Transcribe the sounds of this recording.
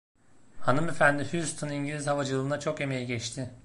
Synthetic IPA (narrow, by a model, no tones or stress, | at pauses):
hanɯme̞fænd̪ɪhyst̪ʰuniɲɟilʲizhavad͡ʒɯlˠɯːnat͡ʃʰo̞ke̞me̞jiɟɛt͡ʃt̪ʰɪ